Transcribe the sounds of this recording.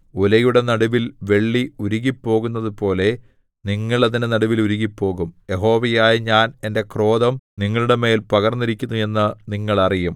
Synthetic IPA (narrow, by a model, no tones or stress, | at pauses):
ulɐjuɽe̞nɐɽuʋilʋe̞ɭːiuɾuɣipːo̞ːɣun̪ːɐðupo̞ːle̞ | niŋːɐɭɐðinɨnɐɽuʋiluɾuɣipːo̞ːɣumje̞ɦo̞ːʋɐjaːjɐɲaːne̞nde̞kro̞ːðɐmniŋːɐɭuɽe̞me̞ːlpɐɣɐrnːiɾikʲːunːue̞nːɨniŋːɐɭɐrijum